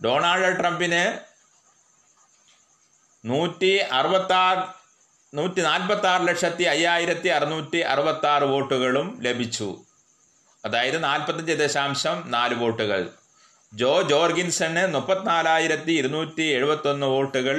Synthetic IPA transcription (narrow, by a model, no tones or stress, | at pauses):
ɖo̞ːɳaːɭɖɨʈrɐmbinɨ | nuːtːiɐrɨbɐt̪ːaː | nuːtːinaːlpɐt̪ːaːrɨlɐkʂɐt̪ːiɐjːaːjiɾɐt̪ːiɐrɨnuːtːiʔɐ̰rubɐt̪ːaːrɨʋo̞ːʈːuɣɐɭumle̞bʱit͡ɕːṵ | ɐðaːjɐðɨnaːlpɐt̪ːɐɲd͡ʑed̪eɕaːmɕɐmnaːlɨʋo̞ːʈːuɣɐ̰ɭ | d͡ʑoːd͡ʑo̞ːrɡinsɐnɨnupːɐt̪ːinaːlaːjiɾɐt̪ːiːɾunuːtːie̞ɻubɐt̪ːo̞nːɨʋo̞ːʈːuɣɐɭ